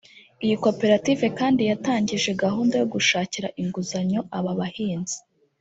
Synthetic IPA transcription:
ijiko̞pe̞ɾatiːve̞kaːndijataːɲɟiʒe̞ɡahuːndajo̞ɡuʃaːciɾaʔiŋɡuzaɲo̞ʔaβaβahiːnzi̥

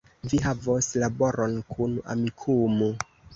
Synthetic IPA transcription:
viɦavoslaboɾonkʰuna̰mikʰumo

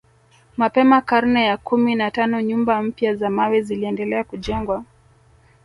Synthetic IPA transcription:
mapɛmakaɾnɛjakuminatanɔɲumbam̩pjazamawɛziliɛndɛlɛakuʄɛŋɡwa

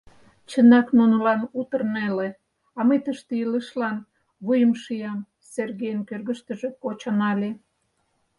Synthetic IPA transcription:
t͡ɕənɑknunolɑnut̪ərnele | ɑməjt̪əʃt̪eiləʃlɑn | βujəmʃijɑm | serɣejənkørɣə̆ʃt̪əʒekot͡ɕonɑlʲe

